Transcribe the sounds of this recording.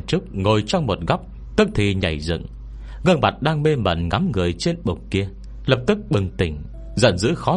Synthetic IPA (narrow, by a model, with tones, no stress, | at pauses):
t͡ɕɨ˦˥k̚ŋo˨˩jt͡ɕɔ˧wŋ͡mmo˨˩t̚ɣa˦˥wk͡p̚ | t̪ɨ˦˥k̚t̪ʰi˨˩ɲa̰˧˩jzɨ̰˧˨ŋ | ɣəː˧nma˨˩t̚ɗaː˧ŋme˧mə̰˧˩nŋa˨˦mŋɨ˨˩əjt͡ɕe˧nɓʊ˨˩ŋ͡m̚ki˧ə | lə˨˩p̚t̪ɨ˦˥k̚ɓɨ˨˩ŋt̪ï˧˩ŋ̟ | zə̰˧˨nzɨ̰˧˥xɔ˨˦